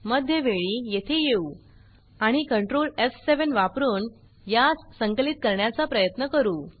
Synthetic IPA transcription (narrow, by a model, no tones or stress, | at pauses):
məd̪ʱjəʋeɭiːjet̪ʰejeu | aɽ̃ikəɳʈɾolefseʋənʋapɾuːn | jassəŋklit̪̚kəɾɳjat͡sapɾəjət̪nəkəɾuː